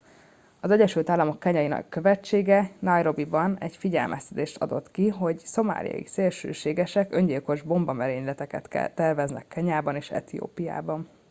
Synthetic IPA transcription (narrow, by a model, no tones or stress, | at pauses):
ɒzɛɟɛʃylt̪aːlːɒmo̞kːɛɲɛjinɛ̰kːøvɛt͡ʃːeːɡɛnɒjɾo̞bibɒnɛɟfiɟɛ̰lmʔɛst̪ɛd̪eːʃt̪ɒ̰d̪o̞̰t̪kiɦo̞ɟso̞ma̰ːlḭɒ̰ḭkseːlʃø̰ːʃeːɡɛʃɛkø̞ɲɟilko̞ʒbo̞mbɒmɛɾeːɲlɛt̪ɛkɛt̪ɛ̰t̪ːɛrvɛznɛ̰kːɛɲaːbɒneːʃɛ̰t̪ijo̰ːpija̰ːbɒn